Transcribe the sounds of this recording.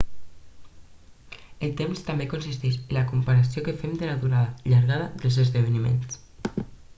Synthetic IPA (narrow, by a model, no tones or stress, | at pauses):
əlt̪emst̪ambekonsist̪eʃənlakumpaɾasiokəfemd̪əlaðuɾaðaʎaɾɣaðaðəlˠzəzðəβ̞ənimḛns